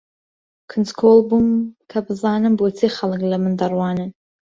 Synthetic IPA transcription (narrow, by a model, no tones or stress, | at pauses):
kʰɨnt͡skʰolbumkʰabɨzɑːnɨmbwɔt͡sʰeχalɨkʼlɐmɨnd̪arwɑːnɨ